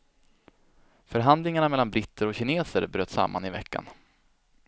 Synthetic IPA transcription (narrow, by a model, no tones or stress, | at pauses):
fœɾɦand̪lɪŋaɳamɛlːanbɾɪt̪ːəɾɔɕɪneːsə̰ɾbɾøːt̪ːsa̰mːa̰nɪvɛ̰kːa̰n